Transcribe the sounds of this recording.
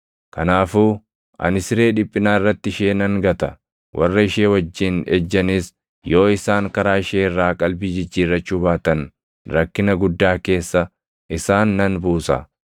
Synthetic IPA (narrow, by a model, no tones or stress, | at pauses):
kɐnaːfuː | ʔɐ̰nɪsɪɾe̞ːᶑɪpʼːɪnaːɪrːɐt̪ːɪʃeːnɐŋɡɐt̪ɐ | wʔɐ̰rːɐɪʃeːwɐd͡ʒːɪnɛd͡ʒːɐnɪs | jo̞ːɪsaːŋkɐɾaːɪʃeːrːaːkʼɐlbɪd͡ʒɪd͡ʒːiːrːɐt͡ʃːuβaːt̪ɐn | ɾɐkːɪnɐɡʊd̪ːaːke̞ːsːɐ | ʔɪsaːnːɐnbuːsɐ̰